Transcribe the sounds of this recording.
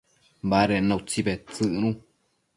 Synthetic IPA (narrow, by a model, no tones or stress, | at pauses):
baɾenãut͡sibet͡sɨʔnũ